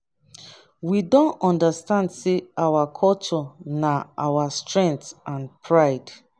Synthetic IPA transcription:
widɔ̃ntɔ̃ndastãndseawakʰɔlt͡ʃɔnaʔawastɹɛ̃ŋk̚θãnpʰɹaɪd

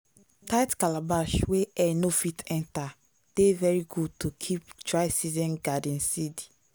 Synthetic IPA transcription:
taɪtkalabaʃweɛnofitɛ̃nta | d̥evɛɹiɡud̚tʰukʰiptɹaɪsizɛ̃nɡadɛ̃nsidi

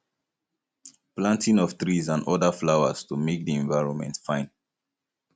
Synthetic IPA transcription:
plãntĩŋɔvt̪ɹizãnɔdəflawə̰stumek̚diɛ̃ɱvaɪɹɔ̃nmɛ̰̃ntfãɪ̃n

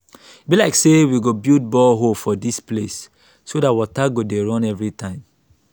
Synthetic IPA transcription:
it̚bilaɪksewiɡobild̚bɔlɦofɔdisples | sodatwɔtaɡodeɹɔ̃nɛvɹitʰãɪ̃m

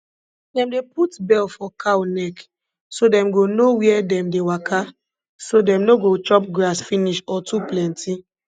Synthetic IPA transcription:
dɛ̃mdeputbɛlfɔkʰanɛk | sodɛ̃mɡonowiɛdɛ̃mdewakʰa | sodɛ̃mnoɡot͡ʃɔpɡɾasfiniʃɔtuplɛ̃nti

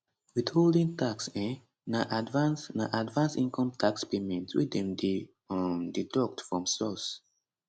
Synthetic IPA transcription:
widholdĩŋtʰaksɛ̃n | naʔadvãnsna̰ʔadvãnsĩnkʰɔ̃mtʰakspemɛ̃ntwḭdɛ̃md | didɔk̚tfɹɔ̃msɔs

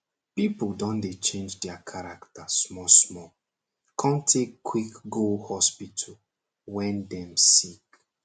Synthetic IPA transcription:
pipldɔ̃ndet͡ʃẽnd͡ʒdɛakʰaɹaktasmɔsmɔ | kʰɔ̃ntʰekːwikɡolhɔspitʰəl | wɛ̃ndɛ̃msik

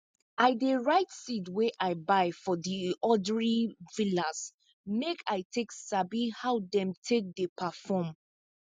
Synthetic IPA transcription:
aɪdeɹaɪtsidweʔaɪbaɪfɔdiɔdɹivilas | mekʰaɪtʰeksabihawdɛ̃mtʰek̚depʰafɔm

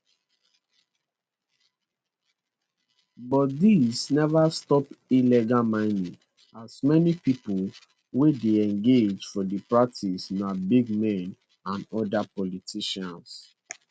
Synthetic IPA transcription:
bɔtdisnɛvastɔpilɛɡamãɪ̃nĩŋ | asmɛnipipul | wedeɛ̃ŋɡed͡ʒfɔdipɹak̚tʰisnabiɡmɛ̃n | ãnɔdapɔlitʰiʃãns

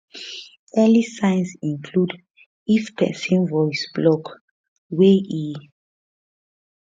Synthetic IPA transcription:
ɛlisãjnsĩŋkʰlud | ifpʰɛ̰sĩnvɔjsb̥lɔk | weʔi

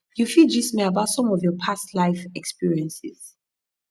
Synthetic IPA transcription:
jufid͡ʒismeabatsɔ̃mɔvjɔpʰastlajfɛkspiɹiɛ̃nsiz̥

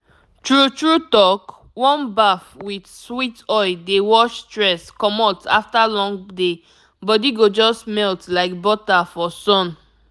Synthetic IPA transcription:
tɹutɹutɔk | wɔ̃nbafwidswitɔɪdewɔʃtɹɛskɔmɔtʰa̰ftalɔ̃ŋɡde | bɔdiɡod͡ʒɔstmɛltlaɪk̚bɔtafɔsɔ̃n

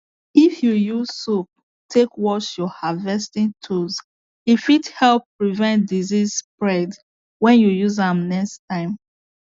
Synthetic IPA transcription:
ifjujuzsup̚ | tʰekwɔʃjɔhavɛstĩntʰuz | ifithɛlpːɹivɛ̃ntdizizspɹɛd | wɛ̃njujuzãmnɛkstʰãɪ̃m

